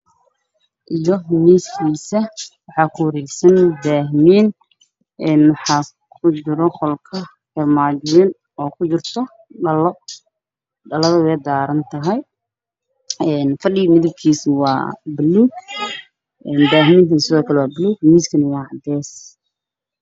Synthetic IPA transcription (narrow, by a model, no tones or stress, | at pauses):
ʔijɔmiːskʰiːsɐwɑħɑkʰʊwɐɾɛjsɐnbaːɦmiːn | ɛːnwɑħɑː | kʰʊt͡ʃɪɾɔχɔlkʰɐ | kɛrmaːd͡ʒwɛːn | ɔːkʰʊt͡ʃɪrt̪ʰɔ | ɖɐlɔ | ɖɐlɐðɐwɛjd̪aːɾɐnt̪ʰɐɦɛj | ɛːnfɐɖɪɣmɪðɪb̚kʰiːswɑ̰ːbɪluːɡ | ʔɛːnbaːɦmiːnt̪iːsɪðɔːkʰɐlɛwɑːbɪluːɡ̚miːskʰɐnɐwɑːʕɑd̪ɛːs